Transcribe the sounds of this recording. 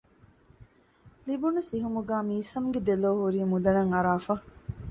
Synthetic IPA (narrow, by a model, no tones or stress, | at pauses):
libunusiɦumuɡaːmiːsɐmɡed̪eloːɦuɾiːmud̪ɐnɐŋɐɾaːfɐ